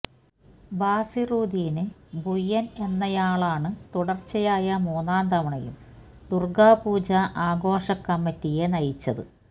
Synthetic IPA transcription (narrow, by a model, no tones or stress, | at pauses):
baːsiruːd̪iːnɨbujːɐne̞nːɐjaːɭaːɳɨt̪uɽɐrt͡ɕːɐjaːjɐmoːnaːnd̪ɐʋɐɳɐjṵm | d̪̥urɡaːpuːd͡ʑɐʔaːɡo̞ːʂɐkːɐmːitːijenɐjit͡ɕːɐðɨ̰